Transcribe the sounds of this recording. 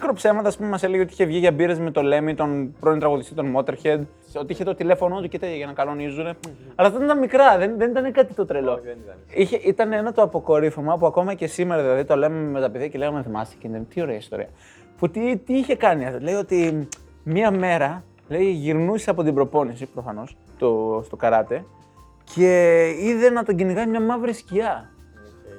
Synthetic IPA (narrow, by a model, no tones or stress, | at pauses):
ikɾopse̞mɐt̪ɐːspume̞mɐse̞le̞ʝeot̪içevʝiʝɐbiɾezme̞t̪o̞le̞mit̪onpɾoint̪ɾɐɣoðist̪it̪onmo̞t̪e̞ɾçed̪ | sot̪iiçet̪ot̪ile̞fo̞not̪ucit̪ɐʝeʝɐnɐkɐlo̞nizune̞ɐlɐft̪oint̪ɐmikɾɐðenðenit̪ɐnekɐt̪it̪o̞t̪ɾelo̞ | içe̞ʔit̪ɐneenɐt̪oɐpo̞ko̞ɾifomɐpuɐko̞mɐce̞sime̞ɾɐðilɐðit̪o̞lememet̪ɐpeðiɐceleɣɐmeθmɐ̰si̥cind̪ent̪io̞ɾe̞ɐist̪o̞ɾḭɐ | fut̪it̪iiçe̞kɐniɐt̪ole̞io̞t̪i | mɐme̞ɾɐ | le̞iʝiɾnuseɐpo̞t̪̬ibɾo̞po̞nisipɾofɐno̞s | t̪ost̪o̞kɐɾɐt̪e̞ | cʰe̞iðe̞nɐt̪oɟiniɣɐimɲɐmɐvɾisciɐ